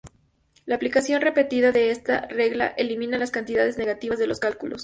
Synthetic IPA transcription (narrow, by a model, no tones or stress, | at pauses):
laːplikasjo̞nre̞pe̞t̪iðaðe̞est̪a̰re̞ɣla̰ʔelimĩnalaskant̪iðað̞e̞zne̞ɣat̪iβazðe̞lo̞skalkulo̞̰s